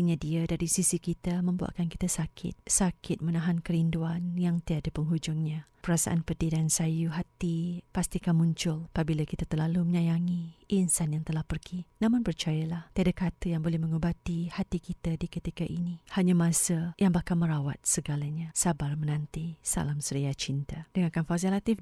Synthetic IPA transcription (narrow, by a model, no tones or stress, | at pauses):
kəɲadiadaɾisisikit̪amə̃mbua̰ʔkanki̥t̪asakʰɪ̰t̪̚sakʰɪt̪̚mənãɦankəɾinduanjaŋt̪iadapəŋɦud͡ʒʊŋɲapəɾasa̰ʔanpədidansajuɦat̪ipast̪ikanmũɲt͡ʃʊlapabilakit̪at̪ərlaluməɲajaŋiʔinsanjaŋt̪əlahpərɡinãmʊnpərt͡ʃajalaht̪iadakat̪əjaŋbolɛhmə̃ŋubat̪ihat̪ikit̪aditkət̪ikaʔinihaɲamãsəjaŋbahkalməɾawat̪̚səɡalaɲasabarmənãnt̪isa̰lamsəɾiat͡ʃint̪ad̥əŋãkanfas̬alat̪ɪf